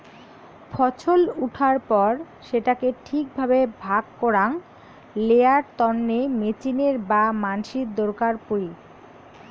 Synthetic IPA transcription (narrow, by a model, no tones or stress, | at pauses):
fʰɔt͡ɕʰoluʈʰaɾpɔɾ | ʃeʈakeʈʰik̚bʱabebʱaɡ̚kɔɾaŋ | leaɾt̪ɔnːemet͡ɕineɾbamanʃid̪oɾkaɾpuɾi